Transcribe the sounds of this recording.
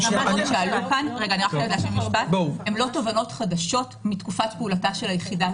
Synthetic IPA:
amanʃealukanʁeɡaniʁaχodlaʃemibathemlo̞tovano̞tχadaʃo̞tmitkufatpeulataʃe̞lajeχida

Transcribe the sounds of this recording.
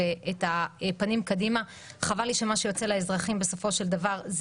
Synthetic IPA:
eetapanimkadima | χavaliʃe̞maʃejo̞t͡selaezʁaχimbe̞so̞fo̞ʃe̞ld̪avaʁz

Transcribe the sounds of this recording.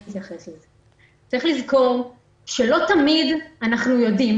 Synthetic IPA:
t̪jaχe̞sleze | t͡saʁiχlizko̞ʁ | ʃelo̞t̪amidanaχnujo̞dim

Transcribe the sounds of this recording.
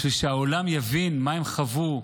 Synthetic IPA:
ʃuʃeaolamjavinmaemχavu

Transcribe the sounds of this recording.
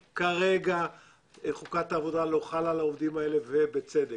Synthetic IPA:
kaʁe̞ɡa | eχukataːvo̞dalo̞χalalaovd̪imae̞le̞vebet͡sed̪e

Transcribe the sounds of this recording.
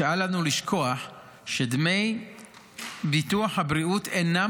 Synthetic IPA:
aalanuliʃkʰo̞aħ | ʃedme̞j | bituaħhabʁiutena

